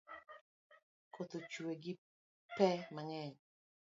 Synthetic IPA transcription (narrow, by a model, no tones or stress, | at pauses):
kʰotot͡ʃueɡi | pɛmaŋɛɲ